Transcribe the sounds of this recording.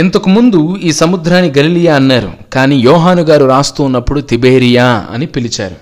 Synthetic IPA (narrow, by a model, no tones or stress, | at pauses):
int̪ɐkumund̪uiːsɐmud̪ʱɾaːniɡɐlilijaːɐnːaːɾṵkaːniːjɔːɦaːnuɡaːɾuɾaːst̪uːnːɐpːuɽut̪ibeːɾijaːɐ̰nipilit͡ʃa̰ːɾu